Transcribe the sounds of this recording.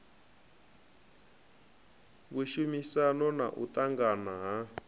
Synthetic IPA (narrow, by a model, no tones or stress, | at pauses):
βuʃumisanɔna̰ʔut̪aŋɡanaɦa